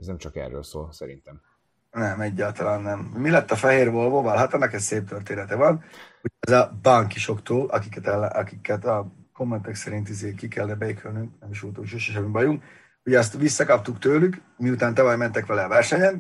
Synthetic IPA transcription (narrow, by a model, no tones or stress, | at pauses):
ɛznɛmt͡ʃɒkɛ̰rːø̰ːlso̰ːlsɛɾḭnt̪ɛm | nɛmɛɟːaːlt̪ɒlaːnːɛmːilɛt̪ːɒfɛɦeːrvo̞lvoːvɒlɦɒt̪ɛnːɛkɛsseːp̚t̪ørt̪eːnɛt̪ɛvɒnuɛzɒbaŋkiʃo̞kt̪oːlʔɒkikɛt̪ɛlːʔɒkikːɛt̪ɒ | ko̞mːɛnt̪ɛksɛɾint̪izeːkikɛlnɛbɛjekʰylnyŋknɛmiʃʋolt̪uŋʃoːʃɛʃ̬ɛmibɒjuŋk | hoɟɛst̪ʋisːɒkɒp̚t̪ukt̪øːlyk | miut̪aːnt̪ɛvɒjmɛnt̪ɛkʋɛlɛːvɛrʃɛɲɛn